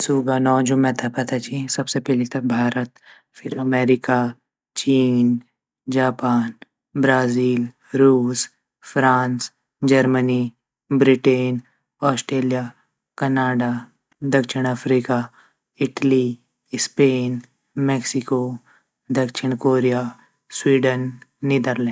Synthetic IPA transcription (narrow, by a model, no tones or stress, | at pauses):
suɡanɔːd͡ʒũmɛ̃t̪ʰapɐt̪at͡ʃĩsɐbsepɛɦlet̪ɐbʱaːɾət̪ | fʰɪɾɐmɛːɾɪka | t͡ʃiːn | d͡ʒaːpaːn | bɾaːziːl | ɾuːs | fʰɾaːns | d͡ʒəɾməni | bɾɪʈeːn | ɔːsʈɾeːlijaː | kɐnaːɖa | d̪ɐkʃɪɽ̃apʰɾiːkaː | ɪʈli | speːn | meːksɪkoː | d̪ɐkʃɪɽ̃koːɾijaː | swiːɖənːid̪əɾlɛ̃ː